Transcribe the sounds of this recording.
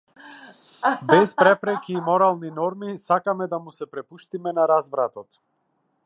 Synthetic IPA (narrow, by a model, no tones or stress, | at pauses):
bɛspɾɛpɾɛkiːmɔɾalˠninɔɾmisakamɛd̪amusɛpɾɛpuʃt̪imɛnaɾazvɾat̪ɔt̪